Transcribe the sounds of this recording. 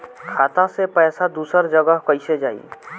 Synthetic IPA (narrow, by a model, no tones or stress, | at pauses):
kʰaːt̪ãsepɛːsad̪uːsəɾd͡ʒəɡəɦkəised͡ʒaːḭː